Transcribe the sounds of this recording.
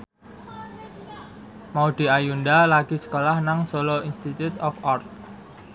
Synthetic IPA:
maud̪̥i̤ajundalaɡ̥i̤sə̥kolahnaŋsoloinst̪it̪ut̪ɔfɔrt̪̚

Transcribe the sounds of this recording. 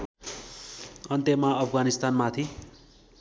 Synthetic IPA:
ʌnt̪emaʌpʰɡanist̪anmat̪ʰi

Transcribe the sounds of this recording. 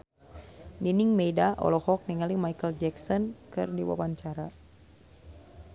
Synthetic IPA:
niniŋmɛjdaʔɔ̰lɔhɔk̚nɛŋalimajkəld͡ʒɛksɔnkɨ̰rdiwa̰paɲt͡ʃaɾa

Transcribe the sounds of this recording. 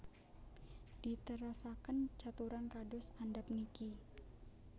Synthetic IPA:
d̥it̪əɾasakənt͡ʃat̪uɾankadʊsandap̚niki

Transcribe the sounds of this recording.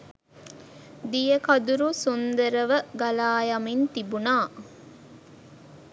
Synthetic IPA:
d̪ijəkɐd̪uɾusund̪əɾəʋəɡɐlaːjɐmint̪ibunaː

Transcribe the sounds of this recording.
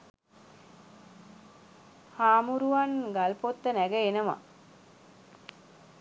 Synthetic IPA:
haːmuɾuʋanɡalpot̪ːənæɡəenəʋa̰

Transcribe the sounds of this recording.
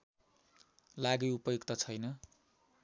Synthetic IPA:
laɡijupʌjokt̪ʌt͡sʰʌjnʌ

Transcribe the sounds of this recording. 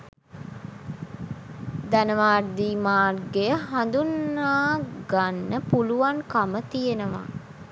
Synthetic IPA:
d̪ænəʋaːrd̪iːmaːrɡejəɦand̪unːaːɡanːəpuluʋaŋkamət̪ijenəʋa̰

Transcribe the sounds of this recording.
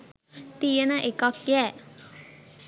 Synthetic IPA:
t̪ijənəʔekakjæː

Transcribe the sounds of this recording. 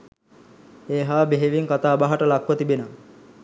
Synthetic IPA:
eːɦaːbeɦeʋiŋkat̪aːbaɦaʈəlakʋət̪ibena

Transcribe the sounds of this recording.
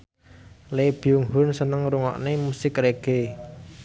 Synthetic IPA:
leb̥iuŋɦʊnsənəŋɾuŋɔ̰ʔnemusɪkreɡ̥e

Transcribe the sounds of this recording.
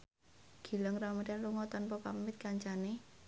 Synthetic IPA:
ɡ̥i̤ləŋramaɾanluŋɔt̪ɔnpɔpamɪt̪̚kaɲt͡ʃane

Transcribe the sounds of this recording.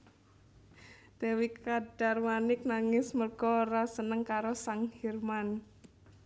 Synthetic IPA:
d̪̥ɛwikad̥armanɪk̚naŋɪsmərɡ̥ɔɾasənəŋkaɾosaŋhirman

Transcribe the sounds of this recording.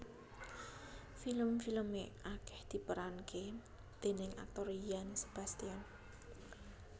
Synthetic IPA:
filəmfiləmeʔakɛ̥hd̪̥i̤pəɾanke | d̪̥e̤nɪŋa̰k̚t̪ɔɾijansə̥b̥a̤st̪ian

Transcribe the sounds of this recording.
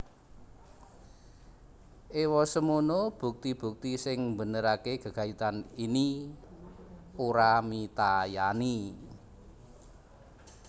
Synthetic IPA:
ʔewɔsəmunob̥ṳk̚t̪ib̥ṳk̚t̪isɪŋmbənəɾakeɡ̥ə̤ɡ̥a̤it̪anini | oɾamit̪ajani

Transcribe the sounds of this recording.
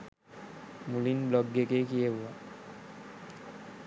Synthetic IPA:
mulinblɔɡːekekijebua

